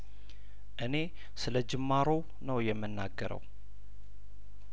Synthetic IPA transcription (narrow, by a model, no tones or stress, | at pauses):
ʔɨne̞ | sɨləd͡ʒɨmːaɾo̞ | nəwjɛmːɨnːaɡːəɾə̰w